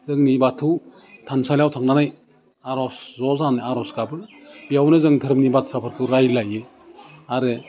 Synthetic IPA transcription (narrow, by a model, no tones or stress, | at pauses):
zɯŋnibatʰuw | tʰansaljawtʰaŋnanaj | aɾɔszɔzanaɾɔskabɯbijawnɯzɯŋtʰɯɾɯmnibatsapʰɯɾkʰuɾajlajɯ | aɾɯ